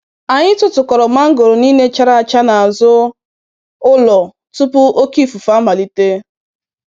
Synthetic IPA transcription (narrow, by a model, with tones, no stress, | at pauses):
a˨ɲɪ˦tʊ˨tʊ˨kɔ˨ɾɔ˨ma˦ŋ̩˦ɡo˨ɾo˨niː˦ne˦t͡ʃa˦ɾa˦a˨t͡ʃa˦na˨a˨zʊ˦ | ʊ˦lɔ˨ | tu˦pʊ˦ʔo˦ki˦fu˨fa˦ma˨li˦te˦